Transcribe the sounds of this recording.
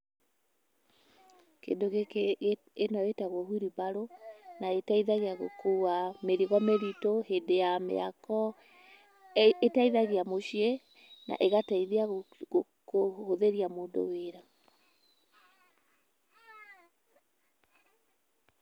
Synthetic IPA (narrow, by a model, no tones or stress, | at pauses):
kḛndoɣe | enawetaɣohuɾibaɾonaetaiðaɣeaɣo̰kʰuwameɾiɣwameɾitohedejamḛa̰kɔ | taiðaɣeamoɕie | na̰ʔeɣataiðea | kohoðeɾiamoːndo̰weɾa